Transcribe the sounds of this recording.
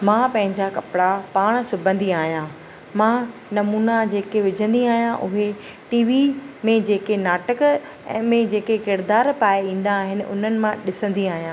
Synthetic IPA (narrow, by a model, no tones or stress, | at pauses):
mãːpɐ̃ɦɪ̃ɲd͡ʑakɐpɽapaːɽ̃sʊbʱə̃nd̪iaːɦijãː | mãːnɐmuːnad͡ʑeːkeʋɪd͡ʑʱə̃nd̪iaːɦijãʔʊɦe | ʈiːʋimẽd͡ʑeːkenaːʈək | ɛ̃ːmẽd͡ʑeːkekɪɾd̪aːɾpaːeĩːn̆d̪aːɦɪnɪ̆ʔʊ̰n̤ənɪ̆mãɗɪsə̃nd̪iaːɦijãː